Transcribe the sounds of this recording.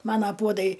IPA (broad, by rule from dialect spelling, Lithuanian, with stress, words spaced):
ˈmɑːnɐ ˈpuɔdɐɪ